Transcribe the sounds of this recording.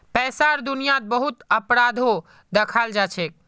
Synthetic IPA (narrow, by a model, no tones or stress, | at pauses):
pɛsaɾd̪unijat̪̚bəɦut̪əpɾad̪ʱo | d̪ekʰald͡ʒat͡ʃʰɛk̚